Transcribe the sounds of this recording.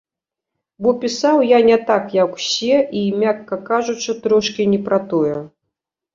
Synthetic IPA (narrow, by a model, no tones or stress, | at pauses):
bɔpʲisawjanʲɛt̪akjakwsʲɛʔimʲakːɐkaʐut͡ʂɨt̪ɾɔʂkʲinʲɛpɾat̪ɔjɛ